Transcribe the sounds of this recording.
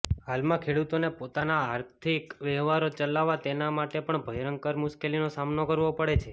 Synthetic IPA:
ɦalmãkʰeɽut̪onepot̪anaːɾt̪ʰikʋɛɦʋaɾot͡ʃəlaʋat̪enamaʈepəɳbʱəjɾəŋkəɾmʊʃkelinosamnokəɾʋopəɽet͡ʃʰe

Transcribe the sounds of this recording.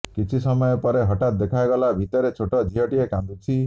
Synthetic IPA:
kit͡ʃʰisɔmɔjɔpɔɾeɦɔʈat̪̚d̪ekʰajɡɔlabʱit̪ɔɾet͡ʃʰoʈɔd͡ʒʱiɦɔʈiekãnd̪ut͡ʃʰi

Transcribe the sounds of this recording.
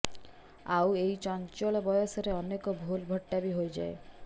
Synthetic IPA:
awejt͡ʃɔnt͡ʃolɔbɔjosɔɾeɔnekɔbʱulbʱɔʈːabiɦojd͡ʒa̰e

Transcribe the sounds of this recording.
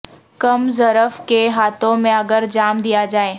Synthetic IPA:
kɐmzɐɾəfkeɦaːt̪ʰõmẽɐɡəɾd͡ʒaːmd̪ijad͡ʒaːeː

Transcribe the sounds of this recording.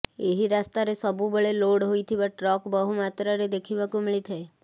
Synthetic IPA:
eɦiɾast̪aɾesəbʱubəɭeloɽɦoit̪ʰiʋaʈɾɔkbəɦumat̪ɾəɾed̪ekʰiʋakũmiɭit̪ʰae

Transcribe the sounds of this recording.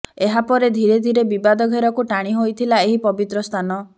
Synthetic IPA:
eɦapɔɾed̪ʱiɾed̪ʱiɾebibad̪ɔɡʱeɾɔkuʈaɽ̃iɦojt̪ʰilaeɦipɔbit̪ɾɔst̪ʰanɔ

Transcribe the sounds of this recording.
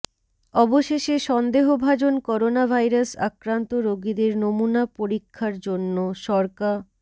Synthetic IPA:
ɔboʃeʃeʃɔnd̪eɦobʱad͡ʑonkɔɾonabʱajɾasa̰kɾant̪oɾoɡid̪eɾnomunapoɾikʰːaɾd͡ʑonːoʃɔɾka

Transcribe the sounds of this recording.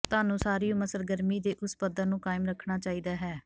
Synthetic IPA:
t̪aːnũːsaːɾiːõːməsəɾɡəɾmiːd̪eːʔʊspəd̪əɾnũːkaːɪmɾəkʰɳaːt͡ʃaːiːd̪aːɦɛː

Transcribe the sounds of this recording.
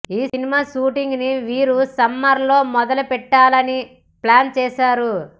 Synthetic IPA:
iːinimaːʃuːʈiŋɡniʋiːɾusɐmːɐɾlo̞ːmɔd̪ɐlupɛʈːaːlɐni | plaːnt͡ʃɛːʃaːɾu

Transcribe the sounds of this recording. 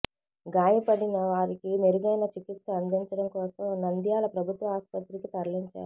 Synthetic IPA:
ɡaːjɐpɐɽinɐʋaːɾikiniɾuɡɐjnɐt͡ʃikit̪sɐɐnd̪iɲt͡ʃɐɽɐmkɔːsɐmnɐnd̪jaːlɐpɾɐbʱut̪ʋɐɦaːspɐt̪ɾikit̪ɐɾliɲt͡ʃa̰ːɾu

